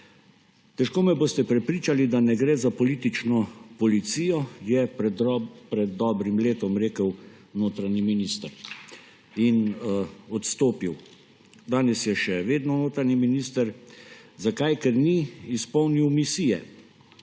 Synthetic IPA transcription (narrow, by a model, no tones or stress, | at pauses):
t̪ɛʃkoːmɛboːst̪ɛpɾɛpɾiːt͡ʃalid̪anɛɡɾeːzapɔlit̪it͡ʃnɔpɔlit̪sijɔjɛ | pɾɛd̪ːɔːbɾimleːt̪ɔmɾeːkəw | noːt̪ɾaɲiminist̪əɾ | in | ɔt̪st̪oːpiw | d̪aːnɛsjɛʃɛʋeːd̪nɔnoːt̪ɾaniminist̪əɾzakajkɛɾniːspɔwniwmisiːjɛ̰